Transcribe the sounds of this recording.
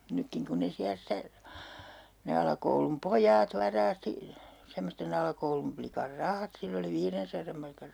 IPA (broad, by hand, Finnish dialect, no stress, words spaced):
nykːiŋ kun ne siæ stæ ne ɑlɑkoulum pojɑːt ʋɑrɑːsti semːosten ɑlɑkoulumplikɑr rɑhɑt silː oli ʋiːrensɑrɑm mɑrkɑr